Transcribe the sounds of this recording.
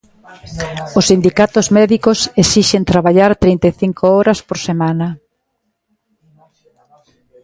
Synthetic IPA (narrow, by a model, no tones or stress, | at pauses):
ʊsind̪ikat̪ʊzmɛðikosesiʃent̪ɾaβaʎaɾt̪ɾint̪eθiŋkʰooɾɐspoɾsemanɐ